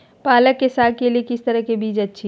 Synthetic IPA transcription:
paːləkːesaɡ̚keliekɪst̪əɾəɦkebʱiːd͡ʒətːʃʰi

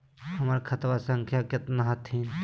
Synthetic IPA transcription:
həmaɾkʰət̪ʋasə̃ŋkʰjakɪt̪naɦət̪ʰɦin

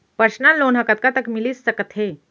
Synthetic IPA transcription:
pəɾɕnalonɦəkat̪̚kat̪əkmiliːsːəkət̪ʰɦe

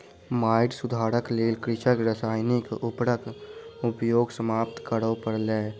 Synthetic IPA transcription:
maːɪʈsʊd̪ʱaːɾəkleːlkɾɪʃəkɾəsaːjnɪkʊpɽəkʊpjoːɡsəmaːpt̪kəɾopəɾlɛː

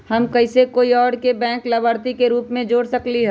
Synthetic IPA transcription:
hɐmkɐɪsekoːiɔːɾkebɛ̃ːŋklɐbəɾt̪ikeɾuːpmẽd͡ʒoːɽsɐkliɦɛː

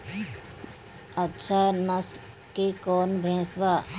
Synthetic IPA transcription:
ətːʃʰanəsʈ | kekɔːnbʱɛ̃ːsʋa

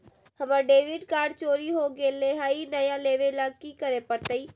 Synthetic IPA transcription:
həməɖeːʋɪɖkaːɾɖt͡ʃoːɾiːɦoːɡeːleːɦaːiːnəjãːleːʋeːlaːkiːkəɾeːpəɾt̪əiː

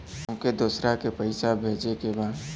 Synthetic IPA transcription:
ũked̪ʊsɾakepəɪsabʱeːd͡ʒekebaːd̪

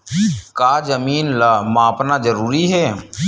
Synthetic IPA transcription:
kaːzəmiːnlamãːpnazəɾuːɾiɦɛː

